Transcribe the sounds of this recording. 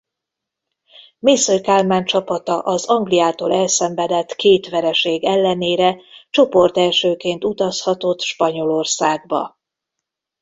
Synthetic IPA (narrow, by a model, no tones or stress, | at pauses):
meːsørkaːlmaːɲt͡ʃɒpɒt̪ɒʔɒzɒŋɡlijaːt̪o̰ːlɛlsɛɱvɛd̪ɛt̪keːt̪ʋɛɾɛʃeːɡɛlːɛneːɾɛt͡ʃo̞po̞rt̪ɛlʃøːkeːnt̪ut̪ɒshɒt̪o̞t̪ʃpɒɲo̞lo̞rsaːɡbɒ̰